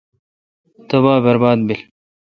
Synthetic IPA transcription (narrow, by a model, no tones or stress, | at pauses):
t̪ɐbaːbɐɾbaːd̪bil